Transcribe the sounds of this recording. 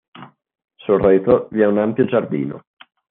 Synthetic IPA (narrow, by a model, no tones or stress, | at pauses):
sorːɛt̪oviɛunampjod͡ʒard̪ḭːno̰